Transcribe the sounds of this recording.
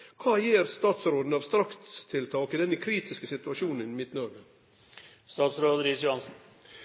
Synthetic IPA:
kʰɑːjiːɾst̪ɑːt̪sɾoːd̪n̩ɑʋst̪ɾɑkt̪t̪ʰɪlt̪ʰɑːkɪd̪ɛnəkʰɾiːt̪ɪskəsɪt̪ʉɑʃuːnənmɪt̪nɔɾɡə | st̪ɑːt̪sɾoːd̪ɾɪsjʊhɑnsn̩

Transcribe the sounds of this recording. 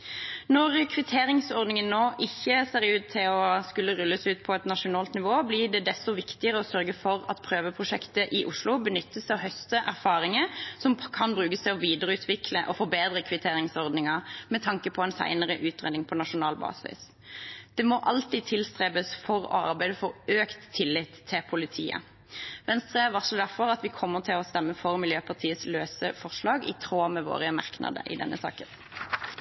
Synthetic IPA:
nɔʁkʰʋɪt̪ʰeːɾɪŋsɔʁd̪nɪŋənnːoːʔɪçːəseːɾʉːt̪ʰːɪlɔskʉlːəʁʉlːəsʉːt̪pʰɔɛt̪nɑʂʊnɑːlt̪nɪʋoːblɪɖɛd̪ɛst̪ɔʋɪkt̪ɪəʁəɔsœɾɡəfɔɾɑ̰t̪pʰɾøːʋəpʰʁʊʃɛkt̪əʔɪʔʊʂlʊbənʏt̪ːəsɔɦœst̪əʔæɾfɑːɾɪŋəsɔmkʰɑnbɾʉːkəsæɪɔʋiːd̪əɾəʉːt̪ʰʋɪkʰləʔɔfɔbeːd̪ʁəkʰʋɪt̪ʰeːɾɪŋsɔʁd̪nɪŋɑmɛt̪ʰɑŋkəpʰɔɛnsæ̰ɪnəʁəʔʉːt̪ʁḛːd̪ɪŋpʰɔnɑʂʊnɑːlbɑ̰ːsɪ̰s | d̪̥ɛmɔʔɑlt̪iːd̪̚t̪ʰɪlst̪ʁeːbəsfɔɾɔ̰ɑ̰ɾbæɪd̪əfɔɾøːkt̪ʰːɪlːɪt̪ʰːɪpʰʊlɪt̪ʰḭːə̰ | ʋɛnst̪ʁəæʋɑʁsɔd̪æʁfɔɾɑt̪ʋɪkʰɔmːəʁt̪ʰɪlɔst̪ɛmːəfɔʁmɪljøːpʰɑʁt̪ʰiːəsløːsəfɔʁʂlɑːɡɪ̰t̪ʰʁoːmɛʋo̰ːʁəmɑ̰ʁknɑ̰d̪ə̰ʔɪ̰d̪ɛ̰nːʔə̰sɑ̰ːkən

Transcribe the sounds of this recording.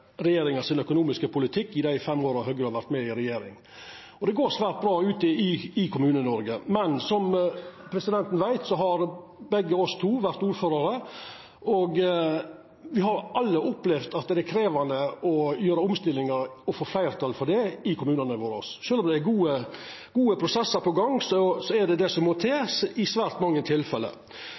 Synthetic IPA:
ɾɛjeːɾɪŋɑsɪnœkʊnuːmɪskəpʰʊlɪt̪ʰɪkːɪd̪æɪfɛmːoːɾɑɦœɡɾəhɑɾʋæɾt̪mɛɪɾɛjeːɾɪ̰ŋ | ɔd̪ɛɡoːɾsʋæːɾt̪̚bɾɑːʉːt̪ɪɪɪkʰʊmʉːnənɔɾɡəmɛnsɔmpʰɾɛsɪd̪ɛnt̪n̩ʋæɪt̪sɔɦɑɾ | bɛɡːəɔst̪ʰuːʋæɾt̪uːɾføːɾɑɾə | ɔɡ | ʋɪhɑɾʔɑlːəɔpːlɛʋd̪ɑt̪̚d̪ɛæɾkʰɾeːʋɑnd̪əɔjøːɾəʊmst̪ɪlːɪŋəɾɔfoːflæɪɾt̪ʰɑːlfɔɖɛɪkʰʊmʉːnənəʋoːɾɔ̰sʃøːlɔmd̪ɛæɡuːə | ɡ̥uːəpʰɾʊsɛsːəɾpʰɔɡɑŋːsɔsɔæɖɛd̪ɛsɔmːɔt̪ʰeːsɪsʋæːɾt̪mɑŋːət̪ʰɪlfɛlːə̰

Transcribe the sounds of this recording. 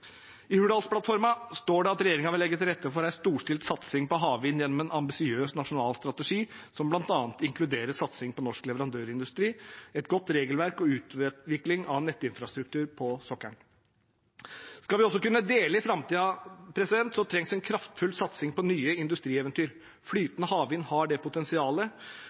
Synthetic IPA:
ɪhʉɖɑlspʰlɑt̪fɔɾmɑst̪oːɖɛɑt̪ɾɛjeːɾɪŋɑʋɪlɛɡːət̪ɾɛt̪ʰːəfɔɾæɾst̪uːʂʈɪlt̪sɑt̪sɪŋpɔɦɑːʋɪnjɛnːɔmɛnʔɑmbɪsɪøːsnɑʂʊnɑːlst̪ɾɑt̪əʂiːsɔmblɑnt̪ɑːnt̪ɪŋkʰlʉd̪eːɾəʂɑt̪sɪŋpɔnɔʂklɛʋəɾɑnd̪øːɾɪnd̪ʉst̪ɾiːɛt̪̚ɡɔt̪ːɾeːɡəlʋæɾkɔʉːt̪ʋɪklɪŋɑnɛt̪ːɪnfɾɑst̪ɾʉk̚t̪ʰʉːɾpʰɔsɔkːæɳ | skɑlʋɪɔsːɔkʉnːəd̪eːləɪfɾɑmt̪iːɑpʰɾɛsɪd̪ɛnt̪sɔmt̪ʰɾɛŋsɛnkʰɾɑft̪fʉlsɑt̪sɪŋpɔnyːəɪnd̪ʉst̪ɾiːɛːʋənt̪ʰyːɾ | flyːt̪ənəhɑːʋiːnhɑɖɛpʊt̪ɛnsɪɑːlə

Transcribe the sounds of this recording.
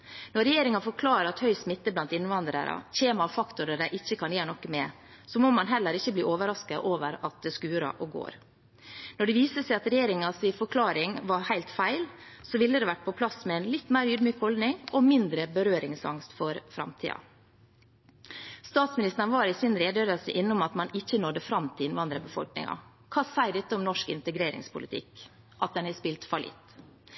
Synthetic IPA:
nɔɾɛjeːɾɪŋɑfɔɾkʰlɑːɾəɾɑt̪hœʏsmɪt̪ːəblɑnt̪ɪnːʋɑnd̪ɾə̰ɾɑ̰çeːmɑfɑkt̪ʊɾəɖæɪʔɪçːəkʰɑnjeːɳɔkːəmɛ | sɔmomɑnɦɛlːəɾɪçəbliːʔoːʋəɾɑskəʔoːʋəɾɑt̪̚d̪ɛskʉːɾɑ̰ʔɔɡo̰ːɾ | nɔɖɪʋiːsəsæɪɑt̪ɾɛjeːɾɪŋɑsɪfɔkʰlɑːɾɪŋʋɑɾhæɪlt̪fæɪlsɔʋɪlːəd̪ɛːʋæʈ̚pʰɔpʰlɑsmɛɛnlɪt̪ːmæɪɾyːd̪myːkhɔld̪nɪŋɔmɪnd̪ɾəbəɾøːɾɪŋsɑ̰ŋst̪fɔɾfɾɑ̰mt̪ʰḭːɑ̰ | st̪ɑːt̪smɪnɪst̪ənʋɑːɾɪsɪnɾeːd̪ød̪əsə̰ʔɪnːʊmɑt̪mɑnɪçːənɔd̪əfɾɑmt̪ʰɪlɪnʋɑnd̪ɾəəbəfɔ̰lknɪ̰ŋɑ̰ | kʰɑːsæɪɖ̪ɛt̪ːəʊmnɔʂkɪnt̪əɡɾeːɾɪ̰ŋspʰʊlɪt̪ʰɪ̰k | ʔɑt̪̚d̪ɛnhɛspɪlt̪fɑlʔɪ̰t̪ː

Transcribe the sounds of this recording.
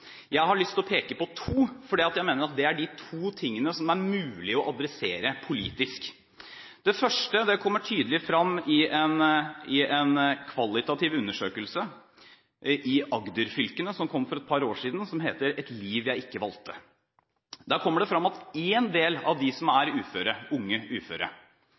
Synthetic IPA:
jæɪɦɑɭʏst̪ɔpʰeːkəpɔt̪ʰuːfɔɖiːɑt̪jæɪmeːnəɾɑt̪̚d̪ɛæɖɪt̪ʰuːt̪ʰɪŋːənəsɔmæɾmʉːlɪɔʔɑd̪ɾɛseːɾəpʰʊlḭːt̪ɪsk | d̪ɛfœʂʈəd̪ɛkʰɔmːəʈʰyːd̪əlɪfɾɑmːɪɛnɪɛnkʰʋɑlːɪt̪ɑt̪ɪʋʉnːəʂøːkəlsə | ʔɪʔɑɡd̪ʉɾfʏlkənəsɔmkʰɔmːfɔɾɛt̪̚pʰɑɾoːʂiːd̪n̩sɔmɦeːt̪əɾɛt̪liːʋjæɪɪkːəʋɑlt̪ʰːə | d̪æɾkʰɔmːəɖɛfɾɑmːɑt̪eːnd̪eːlɑ̰ʋd̪ɪsɔmæɾʉːføːɾəʊŋːəʉːfø̰ːɾə̰

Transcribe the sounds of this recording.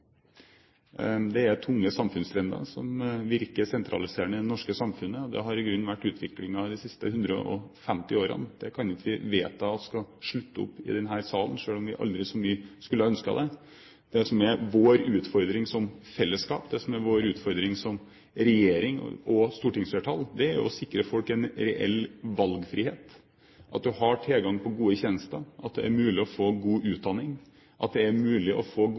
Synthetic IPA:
d̪ɛæɾt̪ʰʊŋːəsɑmfʉnst̪ʰɾɛnd̪ə̰ɾsɔ̰mʋɪɾkəsɛnt̪ʰɾɑ̰lɪseːɾəɳəɪnɔʂkəsɑmfʉnːəɔd̪ɛ̰ɦɑɾɪɡɾʉnːʋæʈːʉːt̪ʰʋɪklɪŋɑd̪ɪsɪst̪əhʉnd̪ɾə̰ʔɔ̰fɛmt̪ɪoːɾə̰nd̪̥ɛkʰɑnɪt̪ʋɪʋeːt̪ʰːɑːt̪skɑʂɭʉt̪ːəʊ̰pːɪ̰d̪ɛnɦæːɾsɑːlənʂøːlɔmʋɪʔɑ̰ld̪ɾɪsɔmyːəskʉlːəœnskɑ̰d̪ɛ | d̪ɛsɔmɛʋoːɾʉːt̪fɔɾd̪ɾɪŋsɔmfɛlːəskɑ̰ːpd̪ɛsɔmæɾʋoːɾʉːt̪fɔɾd̪ɾɪŋsɔm | ɾɛjeːɾɪŋ̰ɔst̪uːʈɪŋsfeːʈʰɑld̪ɛæɾjʊ̰ɔsɪkːɾəfɔlkɛnɾɛʔɛ̰lːʋɑlɡfɾiːheːt̪ | ʔɑt̪̚d̪ʉhɑʈʰɛlɡɑŋpʰɔɡuːəçɛːnəst̪əɾʔɑt̪̚d̪ɛ̰æɾmʉːlɪɔfoːɡuːʔʉːt̪̚d̪ɑnːɪŋ | ʔɑt̪̚d̪ɛæɾmʉːlɪʔɔfoː

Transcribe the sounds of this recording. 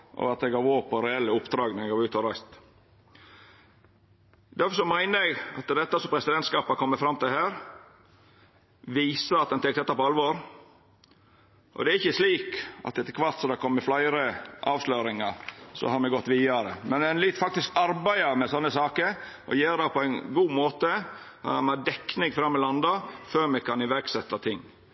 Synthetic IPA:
ʔɔ̰ɑt̪ɛɡɑːʋoːpʰɔɾɛɛlːəʊpd̪ɾɑːɡnɛɛɡɑːʋʉːt̪ʰɔɾæɪst̪ | d̪æɾfɔɾʂsɔmæɪnəɾɛɡɑ̰t̪d̪ɛt̪ːəsɔmpʰɾɛsɪd̪ɛnt̪skɑːpɑkʰɔmːəfɾɑmt̪ɪlhæːɾ | ʋiːsəɑt̪̚d̪ɛnt̪ɛk̚d̪ɛt̪ːɑpɔɑlʋoːɾ | ʔɔ̰d̪ɛæɾɪçːəsliːkɑ̰t̪ːɛt̪ːəkʰʋɑɾt̪sɔd̪ɛkʰɔmːəflɑɪɾəʔɑːʋsløːɾɪŋɑɾsɔ̰hɑɾmɛɡɔt̪ːʋiːɑɾə̰mɛnɛnlɪt̪ːfɑk̚t̪ɪskɑɾbæɪɑɾmɛsɔnːəsɑːkəɾ | ʔɔ̰jeːɾd̪ɛpʰɔæɪnɡuːmoːt̪ə | ɑ̰ɑmæd̪ɛkːnɪŋfɾɑmːɪlɑnd̪ɑføːɾmɛkʰɑnɪʋæɾɡsɛt̪ːɑt̪ʰɪŋː

